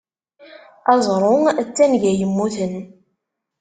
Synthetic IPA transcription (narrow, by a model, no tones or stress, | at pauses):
ɑzˤɾˤʊt͡sːænʝæjəmːuθən